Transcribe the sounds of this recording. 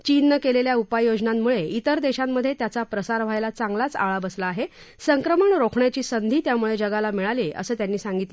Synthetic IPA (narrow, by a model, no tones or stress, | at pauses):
t͡ɕiːnːəkeleljaupajod͡znamːuɭeit̪əɾd̪eɕamːəd̪ʱːjet̪jat͡sapɾəsaɾʋ̤ajlat͡saŋɡlat͡sa̰ɭabəslaːɦe | səŋkɾəməɳɾokʰɳjat͡ɕiːsənd̪ʱiːt̪jamuɭed͡ʑəɡalamiɭaleʔə̰səːt̪janːiːsãŋɡit̪le